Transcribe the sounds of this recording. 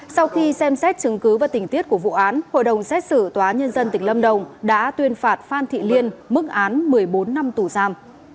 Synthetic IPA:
sa˧wxi˧sɛ˧msɛ˦˥t̚t͡ɕɨ˨˦ŋkɨ˨˦vaː˨˩t̪ï˨˩ŋi˦˥ət̚ku˧˩əvṵ˧˨ʔaː˨˦nho̰˧˨jɗə˨˩wŋ͡msɛ˦˥t̚sɨ˧˩t̪waː˨˦ɲə˧nzə˧nt̪ï˨˩ŋ̟lə˧mɗə˨˩wŋ͡mɗa̰ː˧˥t̪wi˧ənfaː˨˩t̚faː˧nt̪ʰḭ˧˨li˧ənmɨ˦˥k̚ʔaː˨˦nmɨ˨˩əjɓo˨˦nːa˧mt̪u˧˩zaː˧m

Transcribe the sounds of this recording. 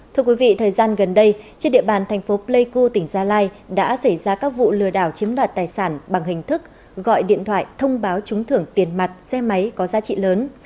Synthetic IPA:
t̪ʰɨ˧əkwi˨˦vḭ˧˨t̪ʰəː˨˩jzaː˧nɣə˨˩nɗə˧jt͡ɕi˧nɗḭ˧˨əɓaː˨˩nt̪ʰɛ˨˩jŋ̟fo˨˦ple˧jku˧t̪ï˧˩ŋ̟zaː˧laː˧j | ɗa̰ː˧˥sa˧˩jzaː˧kaː˦˥k̚vṵ˧˨lɨ˨˧˩əɗaː˧˩wt͡ɕi˨˦əmlwaː˨˩t̚t̪aː˨˩jsaː˧˩nɓa˨˩ŋɦï˨˩ŋ̟t̪ʰɨ˦˥k̚ | ɣɔ̰˧˨jɗḭ˧˨ənt̪ʰwaː˧˨jt̪ʰə˧wŋ͡mɓaː˨˦wt͡ɕʊ˨˦ŋ͡mt̪ʰɨ˧˩əŋt̪i˨˩ənma˨˩t̚sɛ˧ma˨˦jkɔ˨˦zaː˨˦t͡ɕḭ˧˨ləː˨˦n

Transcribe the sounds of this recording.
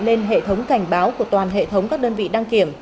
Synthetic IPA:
le˧nɦḛ˧˨t̪ʰə˨˦wŋ͡mka˧˩jŋ̟ɓaː˨˦wku˧˩ət̪waː˨˩nɦḛ˧˨t̪ʰə˨˦wŋ͡mkaː˦˥k̚ɗəː˧nvḭ˧˨ɗaː˧ŋki˧˩əm

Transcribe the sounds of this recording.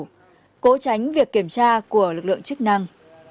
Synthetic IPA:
ko˨˦t͡ɕa˨˦jŋ̟vi˨˩əkːi˧˩əmt͡ɕaː˧ku˧˩əlɨ˨˩k̚lɨ̰˧˨ə˨ŋt͡ɕɨ˦˥k̚na˧ŋ

